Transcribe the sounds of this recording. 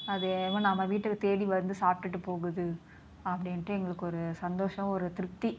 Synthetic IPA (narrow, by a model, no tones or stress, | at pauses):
ɐðeʋɐ̃nɐmːɐʋiːʈːɯkːɯt̪eːɽiʋɐɾnd̪ɯsaːp̚ʈɯʈːɯpoːɣɯðɯ | ɐpːɐɽɪnʈːɯɛŋɡɐɭɯkːɔɾɯsɐnd̪oːʂɐ̃ɔɾɯt̪ɪɾɯk̚t̪ːi